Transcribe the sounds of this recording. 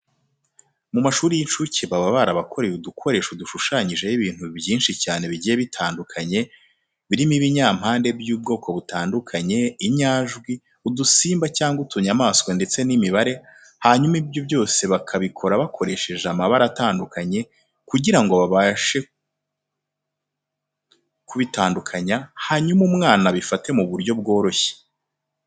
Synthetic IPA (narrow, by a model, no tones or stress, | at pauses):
mumaʃuːɾijint͡ʃuceβaβaβaɾaβakʰo̞ɾe̞judukʰo̞ɾe̞ːʃuduʃuʃaːɲiʒe̞jiβiːn̥hubjiːnʃicaːne̞βiɟije̞βitʰaːndukʰaɲe̞ | βiɾimiβiɲaːm̥haːnde̞bjuːb̚ɡo̞ːko̞βutaːndukʰaɲe̞iɲaːʒɡwi | udusiːmbacaːŋɡutʰuɲamaːskwonde̞t͡se̞nimiβaɾe̞ | haɲumibjobjo̞ːse̞βakʰaβikʰo̞ɾaβakʰo̞ɾe̞ʃe̞ʒamaβaɾataːndukaɲe̞ | kuɟiɾaŋɡo̞βaβaʃe̞ | kuβitaːndukʰaɲahaɲumumŋaːnaβifate̞muβuɾjo̞bɡo̞ːɾo̞çe̥